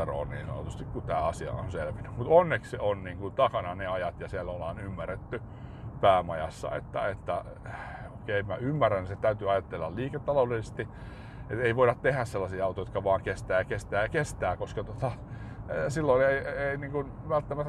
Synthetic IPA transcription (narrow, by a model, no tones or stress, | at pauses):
ero̰ːnniːnso̰o̰t̪ust̪ikkut̪æːɑsiɑ̰o̰nselʋiny̥mut̪onːekseonniːŋkunt̪ɑkɑnɑneɑjɑt̪jɑsiælːolɑːnymːæret̪ːy | pæːmɑjɑ̰sːɑ̰ḛt̪ːæ̰et̪ːæ | oikeimæymːæræniset̪æyt̪yɑjɑt̪ːelːɑlliːket̪ːɑloulelsest̪i | et̪eiʋoiɾɑt̪t̪ehæsselːɑsiːɑut̪ojot̪kɑʋɑːŋkest̪æːjɑkest̪æːjɑkest̪æːkoskɑt̪ot̪ɑ | silːoineieiniːŋkun | ʋælt̪ːæmæt̪ː